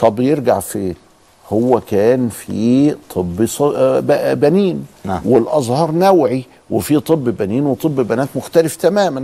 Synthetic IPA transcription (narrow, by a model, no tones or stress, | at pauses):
t̪ˤɑbjeɾɡaʕfeː | howːækæːnfit̪ˤʰɨbːs | bæniːnwelʔɑzˤhɑːɾˤnæwʕi | wefit̪ˤɨbːbæniːnwet̪ˤɨbːbænæːt̪mʊxt̪æleft̪æmæːmæn